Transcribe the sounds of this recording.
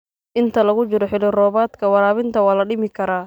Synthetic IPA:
ʔɪnt̪ʰɐlɐɣʊt͡ʃɪɾɔħɪlɪrɔːβaːd̪kʰɐwɑɾaːβɪnt̪ʰɐwaːlɐɖɪmɪkʰɐɾaː

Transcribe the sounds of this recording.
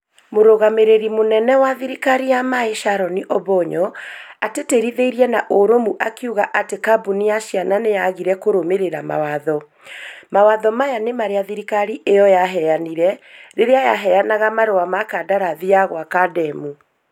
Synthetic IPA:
moɾoɣameɾeɾimonɛnɛwaðiɾikaɾijamaeʃaɾɔniʔɔβɔɲɔateteɾiðeiɾiɛnaʔoɾomuʔakiuɣaʔatekabunijaʃijananejaɣiɾɛkoɾomeɾeɾama̰waðɔ | mawaðɔmajanemaɾeaðiɾikaɾiʔejɔjaɦɛaniɾɛɾeɾeajaɦɛjanaɣamaɾowamakadaɾaðiaɣwakadɛmu

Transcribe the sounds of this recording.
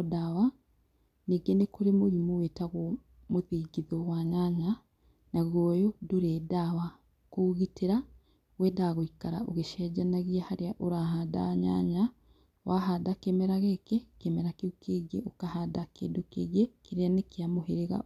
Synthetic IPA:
dawa | neɡenekoɾemoɾimowetaɣo | moðiːɡiðoɣwaːɲaɲa | naɣojodoɾɛdawa | koɣitʰeɾa | wɛdaɣoikaɾa̰ʔoɣeʃɛd͡ʒanaɣiahaɾeaʔoɾaɦada̰ɲa̰ɲa | wʔaɦadakemɛɾaɣekekemɛɾakeukʰeɣḛokahadakḛːdokḛɣekiɾeanekeamoheɾeɣa̰

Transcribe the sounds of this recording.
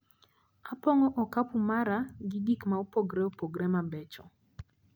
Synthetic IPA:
apɔŋɔʔɔkapumaɾaɡɪdikmaopoɡɾɛɔpoɡɾɛmabɛt͡ʃɔ

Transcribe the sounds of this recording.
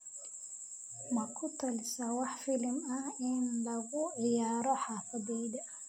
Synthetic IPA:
mɐkʰʊt̪ʰɐlɪsɐwɑħfɪlmɐhɪnlɐɣʊʕɪjaːɾɔħaːfɐðɛːd̪ɐ

